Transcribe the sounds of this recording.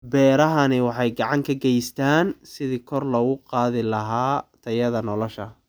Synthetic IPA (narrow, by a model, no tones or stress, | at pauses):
bɛːɾɐɦɐnɪwɑħɑjɡɑʕɑŋkʰɐɡɛjst̪ʰaːnsɪðikʰɔrlɔɣʊqɑːðɪlɐɦaːt̪ʰɐjɐðɐnɔlɔʃɐ